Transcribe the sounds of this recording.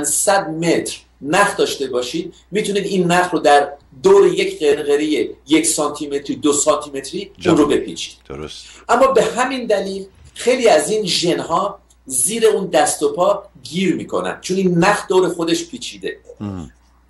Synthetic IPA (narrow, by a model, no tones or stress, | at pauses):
nsæd̪̚me̞t̪ʰɾ | næxd̪ɒːʃt̪e̞bɒːʃiːd̪̥̚ | miːt̪ʰuniːd̪inːæxɾod̪æɾ | d̪oːɾeje̞cʰɢenɣeɾijeje̞cʰsɒːnt̪ʰime̞t̪ʰɾid̪osɒːnt̪ʰime̞t̪ʰɾiːunrobe̞pʰḭːt͡ʃʰi̥d̪e̥sʔæmːɒːbe̞ɦæmind̪æliːl | xe̞jliːæziːnʒe̞nɦɒː | ziːɾe̞uːnd̪æst̪o̞pʰɒːɡiːɾmiːkʰo̞̰næ̰nd̪̥̚t͡ʃʰoninːæxd̪oːwɾe̞xo̞d̪e̞ʃpʰiːt͡ʃʰid̪e̞